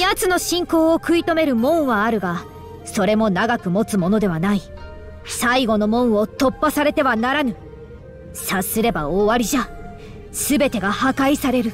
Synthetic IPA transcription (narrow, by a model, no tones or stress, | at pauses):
jat͡sɨno̞ɕĩŋko̞ːokɯ̟it̪o̞me̞ɾɯ̟mõ̞ɰ̃βaːɾɯ̟ɡa | so̞ɾe̞mo̞naɡakɯ̟mo̞t͡sɨmo̞no̞d̪e̞β̞anai | saiɡo̞no̞mõ̞ɰ̃o̞t̪o̞pːasaɾe̞t̪e̞βanaɾanɯ̟ | sasɨɾe̞baoːβaɾʲiʑa | sɨbe̞t̪e̞ɡahakaisaɾe̞ɾɯ̟